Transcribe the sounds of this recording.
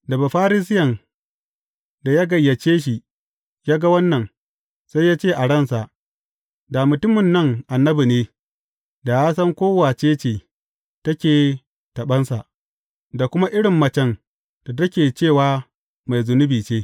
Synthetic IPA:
da˨ba˨ɸaː˦ɾɪ˦s̬ɪ˦jɐ˨n | da˨jaː˦ɡɐ˨jːɐ˨t͡ʃeː˦ʃ̬i˨ | jaː˦ɡa˦wɐ˦nːɐ˨ŋ | sa˦jːaː˦t͡ʃeː˦˨ʔa˨ɽɐ˦nsa˨ʔ | da˨mʊ˨tʊ˦mɪ˨nːɐ˦ŋʔa˨nːɐ˦bi˨neː˦ | da˨jaː˦sɐ˦ŋkʷoː˦waː˨t͡ʃeː˦t͡ʃeː˨ | tɐ˦kʲeː˨ | tɐ˨ɓɐ˦nsa˨ʔ | da˨kʷʊ˦ma˦ʔɪ˦ɽɪ˨mːɐ˦t͡ʃɛ˦n | ta˨tɐ˦kʲeː˨t͡ʃeː˦˨waː˦ | ma˨jzʊ˨nʊ˦biː˨t͡ʃeː˦

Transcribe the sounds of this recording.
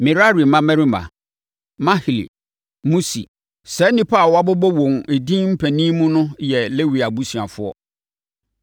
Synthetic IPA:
mɪ̃˨ɾa˦ɾi˨mã˦mɛ̃˦ɾi˦mã̰˨ | mã˦hi˨lḭ˨ | mũ˦sḭ˨ | sɛ˦nĩ˦pʰa˦˨wa˦bɔ˦bɔ˦wõ˨ŋe˨dĩ˦m̩˦pʰæ̃˨nĩ˦mũ˦nʊ̃˦jɛ˨le˦wi˨a˨bu˦si˨a˨fʊ˦ɔ̰˦

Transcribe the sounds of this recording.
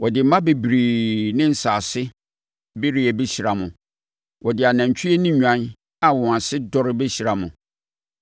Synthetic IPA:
wʔɔ˨dɪ˨m̩˦mã˦be˨bɾiː˨nɪ̃˦n̩˨saː˨sɪ˦ | be˦ɾi˦ɛ˨bɛ˦ɕi˨ɾa˨mʊ̃˨ | wʔɔ˨dɪ˨a˨nã˨ɲ˨t͡ɕᶣʰi˦e˦nɪ̃˦ɲᶣã˦n | a˨wɔ̃˨a˨sɪ˦dɔ˦ɾɪ˦bɛ˦ɕi˨ɾa˨mʊ̰̃˨

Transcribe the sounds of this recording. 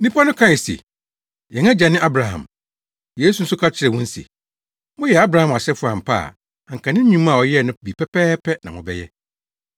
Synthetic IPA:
nĩ˦pʰa˦nʊ̃˦kʰã˦ɪ˨sḭ˨ | jɛ̃˨ŋã˦d͡ʑa˨nɪ̃˦ʔa˦bɾa˨hã̰˨m | je˦s̬u˨n̩˦sʊ˦kʰa˦t͡ɕʰɪ˦ɾɛ˨wʊ̃˦n̩˦sḭ˨ | mʊ̃˦jɛ˨a˦bɾa˨hã˨ma˨ɕɛ˦fʊ˦a˨m̩˨pʰa̰˦a̰˨ | a˨ŋ̩˨kʰã˨nɪ̃˦ɲũ˦m˦a˨ɔ˨jɛ˦˨nʊ̃˦bi˨pʰɛ˦pʰɛː˦pʰɛ˦nã˨wʊ̰̃˨bɛ̰˦jɛ̰˦

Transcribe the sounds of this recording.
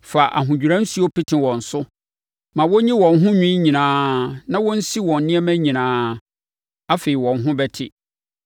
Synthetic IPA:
fa˨ʔa̰˨ɦʊ̃˨d͡ʑᶣu˨ɾã˦n̩˦si˦o˦pɪ˦tʰɪ̃˨wɔ̃˨n̩˨sʊ˦ | mã˨wɔ˦ɲĩ˦wɔ̃˨nɦʊ̃˦ɲᶣĩ˦ɲĩ˨nãː˨nã˦wɔ˦n̩˦si˦wɔ̃˨nnɪ̃˦ɛ˦mæ̃˦ɲĩ˨nãː˨˦ | a˦fe˨i˨wɔ̃˨nɦʊ̃˦bɛ˦tʰɪ̰˦

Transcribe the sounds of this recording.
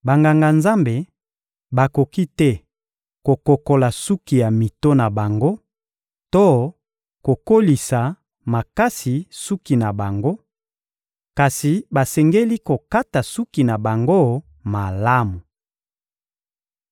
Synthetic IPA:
ba˨ŋɡa˨ŋɡa˨nza˦mbe˨ | ba˨ko˨ki˦tɛ˦ | ko˨ko˨ko˨la˨su˦ki˨ja˨mi˨to˦na˨ba˨ŋɡo˦ | to˦ | ko˨ko˦li˨sa˨ | ma˨ka˦si˨su˦ki˨na˨ba˨ŋɡo˦ | ka˨si˨ba˨sɛ˨ŋɡe˦li˦ko˨ka˦ta˨su˦ki˨na˨ba˨ŋɡo˦ | ma˨la˦mu˨

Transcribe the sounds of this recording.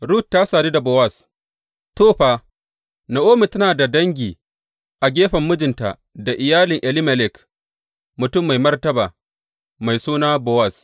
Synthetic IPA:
ɽu˦˨tːa˦saː˨di˦da˨bɔ˦wɐ˦˨s | toː˦ɸaː˨ | na˨ʔoː˦mi˨tɐ˦naː˨da˨dɐ˦ŋɡʲiː˨ | ʔa˨ɡʲeː˦ɸɐ˨mːʊ˦d͡ʒɪ˨nta̰˨ | da˨ʔɪ˨jaː˦lɪ˨ŋʔɛ˨lɪ˦mɐ˨lɪ˨k | mʊ˨tʊ˦mːa˨jmɐ˦rtɐ˦baː˨ | ma˨jsuː˦naː˦bɔ˦wɐ˦˨s

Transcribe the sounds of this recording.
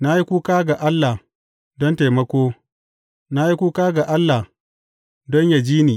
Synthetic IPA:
na˦ji˦kʷuː˦kaː˦ɡa˨ʔa˦lːa˨ | dɔ˦nteː˨mɐ˦kʷoː˦ | na˦ji˦kʷuː˦kaː˦ɡa˨ʔa˦lːa˨ | dɔ˦ɲja˨d͡ʒiː˦niː˨

